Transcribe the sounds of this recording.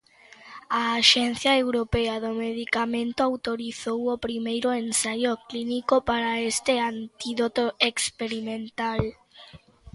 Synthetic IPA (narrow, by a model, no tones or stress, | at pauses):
aːʃɛnθjaewɾopeaðomeðikamẽnt̪oawt̪oɾiθowopɾimejɾoensajoklinikopaɾaest̪eant̪iðot̪oekspeɾimẽnt̪al